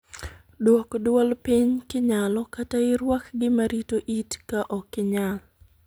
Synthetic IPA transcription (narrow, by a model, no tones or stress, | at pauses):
dwɔkdwɔlpiɲkɪɲalɔkataɪɾwakɡɪmaɾitoʔitkaʔɔkɪɲal